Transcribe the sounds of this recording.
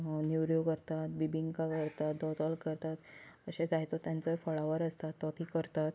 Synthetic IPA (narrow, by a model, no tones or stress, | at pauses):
njuʋɾjokəɾt̪at̪̚bibiŋkakəɾt̪at̪̚d̪ɔt̪əlkəɾt̪at̪ːəɕed͡zaɦjt͡sɔt̪jãnt͡sɔɦefɔɭaʋəɾəst̪at̪ːɔt̪ikəɾt̪at̪